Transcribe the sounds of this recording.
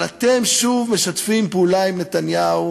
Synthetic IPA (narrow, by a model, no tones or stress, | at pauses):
at̪emʃuvme̞ʃat̪fimpulaimnet̪anjau